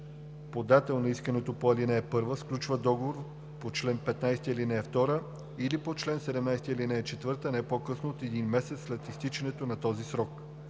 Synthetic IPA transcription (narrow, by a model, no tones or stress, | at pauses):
pod̪at̪ɛlˠnɐiskɐnɛt̪opoɐlinɛːpɤɾvəsklʲut͡ʃvəd̪ɔɡovoɾ | pot͡ʃlɛnpɛt̪najst̪iilinɛːft̪ɔɾə | ilipot͡ʃlɛnsɛd̪ɛmnajst̪iilinɛɛt͡ʃɛt̪vɤɾt̪ənɛɛpokɤsnoːt̪ɛd̪inmɛsɛt̪sːlɛt̪ist̪it͡ʃɛnɛt̪onɐt̪ɔzisɾɔk